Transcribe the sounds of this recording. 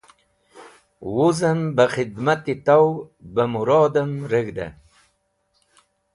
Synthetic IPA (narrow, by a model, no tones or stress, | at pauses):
wuzəmbəxɪd̪mat̪it̪awbəmʊɾɑːd̪amɾəɡd̪a̰